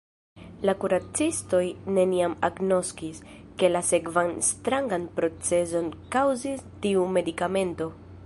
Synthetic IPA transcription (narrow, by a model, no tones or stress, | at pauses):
lakuɾat͡sisto̞jne̞niamaɡno̞skis | ke̞lase̞kvanstɾaŋɡanpɾo̞t͡se̞zo̞nkawzistiume̞dikame̞nto̞